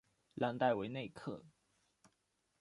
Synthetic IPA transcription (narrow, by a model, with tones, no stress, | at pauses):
la˥nt̪a˥˩ɪwe˧˥ɪne˥˧ɪkʰɤ̰˥˩